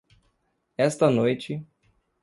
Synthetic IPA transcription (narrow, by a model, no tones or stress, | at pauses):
ɛst̪ɐnojt͡ʃɪ